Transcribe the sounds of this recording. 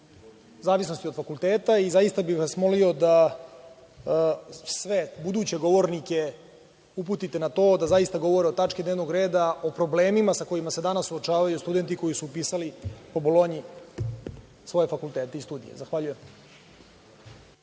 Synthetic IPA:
zaːʋisno̞st̪iofakulˠt̪eːt̪aizajist̪abiʋasmo̞lio̞d̪a | sʋebud̪uːt͡ɕe̞ɡo̞ʋo̞ɾnike̞ | up̬ut̪it̪enat̪o̞ːd̪azaist̪aɡo̞ʋo̞ɾeot̪at͡ʃkid̪neʋno̞ɡɾe̞ːd̪ao̞pɾo̞ble̞ːmimasako̞jimase̞d̪anassːuot͡ʃaːʋajust̪ud̪e̞nt̪iko̞jisuːpiːsalipo̞bolˠo̞ɲi | sʋo̞je̞fakulˠt̪eːt̪eist̪uːd̪ḭje̞̰zaxʋaʎujem

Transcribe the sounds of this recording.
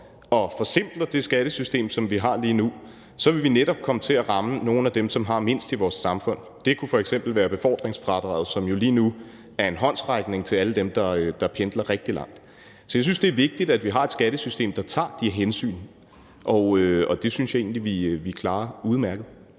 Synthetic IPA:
ɒ̽fɒ̽sem̰b̥lɐd̥e̝sɡ̥æɾ̥əsysd̥e̝̰ːmsɒ̽mʋiɦɑ̈liːnu | sɒ̽ʋe̝lʋineɾ̥ɒ̽b̥̚kʰɒ̽mət͡sʰe̝æʁɑ̈məno̝ːn̩æd̥emsɒ̽mɦɑ̈me̝n̰sd̥iʋɒːsɑ̈mfɔ̽n̰ | d̥e̝kʰufɒ̽eɡ̥sem̰b̥l̩ʋæːɐb̥e̝fɒ̰ːd̥ʁeŋsfʁɑ̈d̥ʁɑ̰̈ːð̩ˠsɒ̽mjo̝liːnu | æɐe̝nɦɒ̽n̰sʁɑ̈ɪɡ̥ne̝ŋt͡sʰe̝læləd̥emd̥ɑ̈ød̥ɑ̈pʰend̥lɐʁɛɡ̥̚d̥ilɑ̈ŋ̰d̥ | sɒ̽jasynsd̥e̝ɐʋe̝ɡ̥̚d̥id̥æd̥ʋiɦɑ̈e̝d̥sɡ̥æɾ̥əsysd̥e̝̰ːmd̥ɑ̈t͡sʰɑ̰̈ːd̥iɦensy̰ːn | ʔɒ̽øɒ̽d̥e̝synsjɑ̈e̝̰ːn̩liʋiʋikʰlɑ̈ːuð̞ˠmæɐɡ̥ð̞̩ˠ

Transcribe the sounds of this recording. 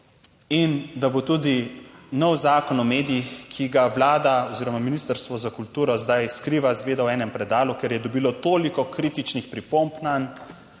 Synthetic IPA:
ind̪abot̪uːd̪inɔwzaːkɔnɔmeːd̪ijixkʰiɡaʋlaːd̪aɔziːɾɔmaminiːst̪əɾst̪ʋɔzakult̪uːɾɔzd̪ajskɾiːʋazɡʋeːd̪awɛːnɛmpɾɛd̪aːlukeɾjɛd̪ɔbiːlɔt̪oːlikɔkɾiːt̪it͡ʃnixpɾipompnan

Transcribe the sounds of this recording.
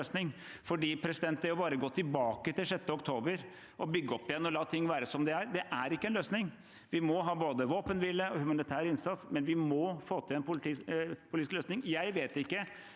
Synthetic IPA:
øːsnɪŋ | fɔɖiːpʰɾɛsɪd̪ɛnt̪̚d̪æɾjʊbɑːɾəɡɔt̪ʰːɪlbɑːkət̪ɪlʂɛt̪ːəɔk̚t̪ʰoːbəɾ | ʔɔbʏɡːəɔpːɪjɛnːɔlɑːt̪ʰɪŋːʋæːɾəsɔmd̪ɛæɾd̪ɛʔæɾɪkːəɛnløːsnɪŋ | ʋɪmɔɦɑːboːd̪əʋoːpənʋɪlːəɔhʉmɑnɪt̪ʰæːɾəɪnsɑt̪smɛnʋɪmɔfoːt̪ʰɪlɛnpʊpʰʊlit̪ːskløːsnɪŋjæɪʋeːt̪ɪkːə

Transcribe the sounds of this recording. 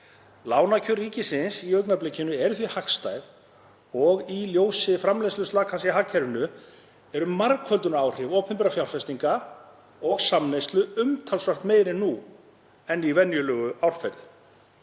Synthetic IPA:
laːwnacʰʏriːcɪsɪnsiœɥknaplecːɪnʏɛɾʏθvihakst̪ajð | ɔɣiljoːwsɪfɾamlejst̪ʏst̪aːkʰas̬ɛɦaːcʰːɛɾʏnʏ | ɛɾʏmaɾkʰœlt̪ʏnaːwr̥ɪvɔːpʰɛmpɛɾafjawlfɛst̪iŋka | ɔɣsamnejst̪lʏʏmt̪ʰalsvar̥t̪meːjɾɪnu | ɛnːivɛnjʏlœːɣʏawr̥fɛt̪lɪ

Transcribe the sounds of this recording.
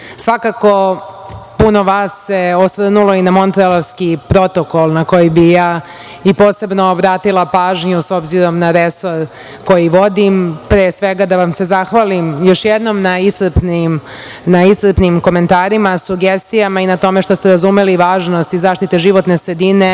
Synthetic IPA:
sʋakako̞ | puno̞ʋaːsːe̞osʋr̩nulˠo̞inamo̞nt̪ɾelaɾskipɾo̞t̪o̞kolˠnako̞jibijaː | ipo̞ːse̞bnoːbɾaːt̪ilˠapaːʒɲuso̞bziɾo̞mnaɾeso̞ɾ | ko̞jiʋo̞d̪impɾeːsʋeɡad̪aʋamse̞zaxʋalimjo̞ʃjed̪nomnaisr̩pnim | naisr̩pnimko̞me̞nt̪aːɾimasuɡest̪ijamainat̪o̞meʂt̪ost̪eɾazumeliʋaːʒnost̪izaːʃt̪it̪eʒiʋo̞t̪ne̞sɾed̪ine

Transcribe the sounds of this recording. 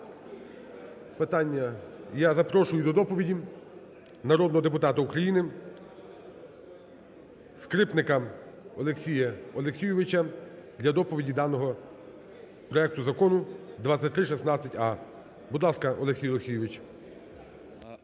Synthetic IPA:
pɪt̪ɑnʲːɐjazɐpɾɔʃʊjʊd̪ɔd̪ɔpɔʋʲidʲi | nɐɾɔd̪nɔɦɔd̪epʊt̪ɑt̪ɐukɾɐjinɪ | skɾɪpnɪkɐ | ɔlˠeksʲijɐɔlˠeksʲijʊʋɪt͡ʃɐd̪lʲɐd̪ɔpɔʋʲidʲid̪ɑnɔɦɔ | pɾɔɛk̚t̪ʊzɐkɔnʊd̪ʋɑt͡sʲɐt̚ʲt̪ɾɪʃɛsnɑt͡sʲːɐtʲɑ | bʊd̪lˠɑskɐʔɔlˠeksʲijlˠeksʲijʊʋɪt͡ʃ

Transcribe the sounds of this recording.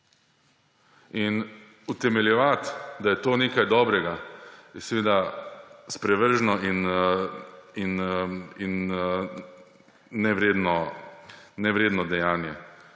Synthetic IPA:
in | ut̪ɛmɛljɛʋat̪d̪ajɛt̪oːneːkajd̪ɔːbɾɛɡaɛsɛʋeːd̪a | spɾɛʋəɾʒnɔin | inin | ɛʋɾeːd̪nɔ | nɛʋɾeːd̪nɔd̪ɛjaːnjɛ

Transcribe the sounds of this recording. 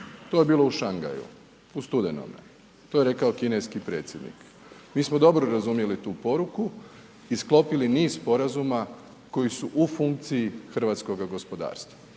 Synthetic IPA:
t̪o̞je̞biːlˠouʃaŋɡa̰jṵ | ust̪ud̪eno̰mḛ | t̪oje̞ɾe̞kaokineskipɾe̞ːt̪sʲjed̪nḭk | miːsmod̪o̞bɾoɾazumje̞lit̪uːpo̞ɾuku | isklo̞piliniːzspo̞ɾazuma | ko̞jisuʔufuŋk̚t̪sijixr̩ʋaːt̪sko̞ɡaɡo̞spo̞d̪a̰ːɾst̪ʋa

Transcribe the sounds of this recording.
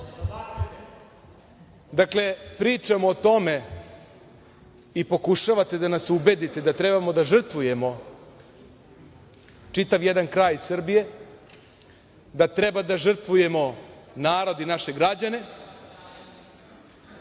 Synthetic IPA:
d̪akle̞pɾiːt͡ʂamoːt̪o̞me̞ | ipo̞kuʃaʋat̪e̞d̪anasube̞d̪it̪ed̪at̪ɾebamo̞d̪aʐr̩t̪ʋuje̞mo̞ | t͡ʂit̪aʋjed̪ankɾaːjsr̩bije̞ | d̪at̪ɾe̞bad̪aʐr̩t̪vʋuje̞mo̞naːɾo̞d̪inaʃe̞ɡɾad͡ʑane̞

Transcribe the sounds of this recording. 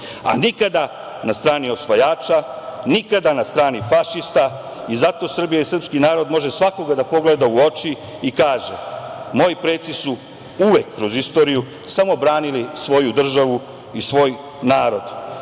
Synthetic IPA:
a̰nikad̪a | nast̪ɾaːnio̞sʋajaːt͡ʃanikad̪anast̪ɾaːnifaʃist̪a | izat̪o̞ːsr̩bijaisr̩pskinaːɾo̞d̪mo̞ʒe̞sʋako̞ɡad̪apo̞ɡled̪auo̞t͡ʃi | ikaːʒe̞mo̞jipɾeːt̪sisu | uʋe̞kːɾo̞zist̪o̞ːɾiju | samo̞bɾaːnilisʋo̞jud̪r̩ʒaʋu | isʋo̞ːj | naːɾo̞d̪

